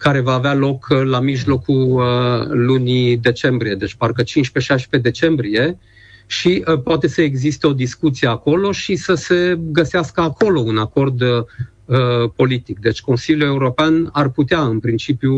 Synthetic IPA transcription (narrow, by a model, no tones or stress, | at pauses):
kaɾe̞vaːvealo̞klamiʒlo̞ku | lunid̪e̞t͡ʃe̞mbɾije̞d̪e̞t͡ʃʲparkət͡ʃint͡ʃʲpe̞ʃajʃpe̞d̪e̞t͡ʃe̞mbɾie̞ | ʃipoat̪e̞səeɡzist̪e̞o̞d̪iskut̪sie̞ako̞lo̞ʃisəse̞ɡəseaskəako̞lo̞unako̞rd̪ | əpo̞lit̪ik̚d̪e̞t͡ʃʲko̞nsilʲjue̞uɾo̞peanarput̪eaɨnpɾint͡ʃipju